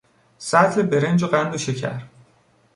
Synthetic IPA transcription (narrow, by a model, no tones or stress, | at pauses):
sæt̪ʰlebe̞ɾe̞nd͡ʒoɢænd̪oʃecʰæ̰ɾ